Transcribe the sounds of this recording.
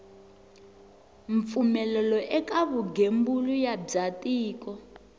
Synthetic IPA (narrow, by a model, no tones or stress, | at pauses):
ɱfumɛlɛlɔʔɛkaβuɡembulujab͡ʐb͡ʐatiːkɔ